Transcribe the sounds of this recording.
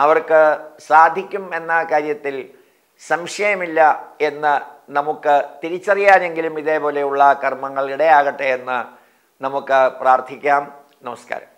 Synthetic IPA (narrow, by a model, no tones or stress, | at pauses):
ɐʋɐrkɨsaːd̪ʱikʲːume̞nːɐkaːɾjɐt̪ːil | sɐmʂɐjɐmilːɐe̞nːɨnɐmukːɨt̪iɾit͡ɕːɐrijaːne̞ŋɡilumiðe̞ːpo̞ːle̞juɭːɐkɐrmɐŋːɐɭiɽejaːɣɐʈːeenːɨ | nɐmukːɨpraːrt̪ʰikʲːaːm | nɐmɐska̰ːɾɐ̰m